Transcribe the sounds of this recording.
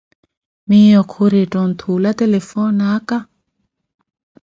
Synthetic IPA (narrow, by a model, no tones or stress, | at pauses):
mijɔkʰoɾetʼɔn̩t̪ʰulat̪ɛlɛfɔnakʼa